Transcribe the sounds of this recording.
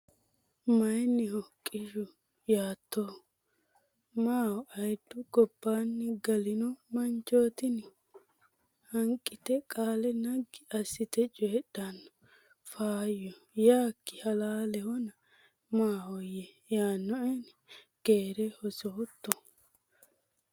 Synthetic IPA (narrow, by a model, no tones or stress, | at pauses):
mɐjnːɪhɔkʼːɪʃʊ | jaːt̪ʰːo | maːwɔʔɐjd̪ːʊɡɔbːaːnːɪɡɐlɪnɔmɐnt͡ʃʼːoːt̪ɪnɪ | hɐŋkʼːɪt̪ɛkʼaːlɛnɐɡɪɐsɪt̪ɛt͡ʃʼɛːɗːanːɔ | faːjɔ | jaːkːɪhɐlaːlɛhɔnɐ | maːwɔjɛ | jaːnːɔʔɛn | ɡ̥eːɾɛhɔsoːt̪ːɔ